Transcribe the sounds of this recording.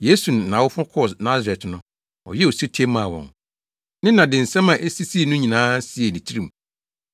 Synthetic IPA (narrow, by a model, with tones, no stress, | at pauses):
jeː˦su˨ñ˨nã˨wʊ˦fʊ̃˦kʰɔ˦˨snã˦ze˨tnʊ̃˦ | ɔ̰˨jɛ˦o˨si˦tʰe˦mã˨wɔ̰̃˨ŋ | nɪ̃˦nã˨dɪ̃˨n̩˨sɛ̃˦mã˨ʔe˦si˦si˦˨nʊ̃˦ɲĩ˨nãː˦si˦e˨nĩ˨tʰi˦ɾĩ˨m˨